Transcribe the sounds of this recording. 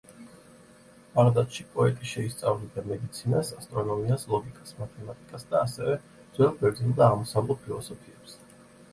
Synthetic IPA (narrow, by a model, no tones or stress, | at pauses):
bʼaɾd̪at̪ʼʃipʼɔɛt̪ʼiʃɛist̪sʼavlid̪amɛd̪it̪sʰinasast̪ʼɾɔnɔmiaslˠɔɡikʼḁsmat̪ʰɛmat̪ʼikʼasd̪̥aːsɛvɛ | d̪z̥wɛlˠɡɛɾd̪zɛlˠd̪aːʁmɔsavlˠɛt̪̚pʰilˠɔsɔpʰiɛps